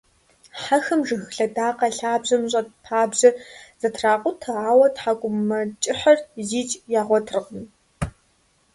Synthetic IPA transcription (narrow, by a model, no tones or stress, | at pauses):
ħaxɐmʒɨɣɬɐdaːqɐɬaːbʑɐmɕ̬ʼɐt̚pʰaːbʑɐz̥ɐtʰraːqʷʼʊtʰɐʕaːwɐtħaɡʷʼʊmːɐt͡ʃʼɪħɐrziːt͡ʃʼjaːʁʷɔtʰrʁən